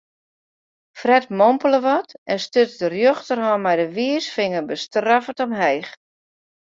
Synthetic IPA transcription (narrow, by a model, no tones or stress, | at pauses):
frɛtmɔmpələʋɔtɛnstøtdərjøxtərhɔmɛjdəʋiəsfɪŋəbəstrafətɔmɦɛjx